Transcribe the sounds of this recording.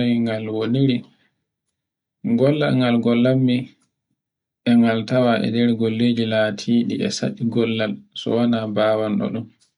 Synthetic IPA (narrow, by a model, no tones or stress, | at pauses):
jiŋɡalwoniɾi | ɡɔlːa̰lŋɡalɡɔlːamːi | ɛŋɡaltawaʔɛ̰ndɛɾɡolːeːd͡ʒilaːtʰiːɗiʔɛ̰sa̰ɗiɡɔlːalsɔ̰wanabaːwanɗɔ̰ɗum